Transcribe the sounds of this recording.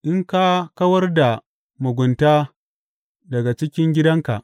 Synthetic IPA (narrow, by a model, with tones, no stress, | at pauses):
ʔɪ˦ŋkaː˦kɐ˦wɐ˦rda˨ | mʊ˨ɡʷʊ˨ntaː˦ | dɐ˨ɡa˨t͡ʃɪ˦kʲɪ˦ŋɡʲɪ˦dɐ˦ŋka̰˨ʔ